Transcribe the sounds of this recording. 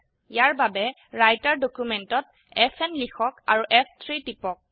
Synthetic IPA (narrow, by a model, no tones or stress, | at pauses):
jaɹbabɛ | ɹajtaɹdokumɛntɔt̚ | ɛfʰɛnlixɔkaɹuʔɛfʰtʰɹitipɔk̚